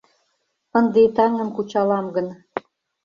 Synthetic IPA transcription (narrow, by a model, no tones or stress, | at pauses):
ə̆nd̪et̪ɑŋə̆mkut͡ɕɑlɑmɡə̆n